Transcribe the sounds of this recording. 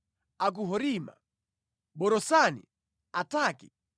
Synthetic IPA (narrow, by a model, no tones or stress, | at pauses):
ak̬uɦɔɾima̰ | ɓɔɾɔsanḭ | ataːki̥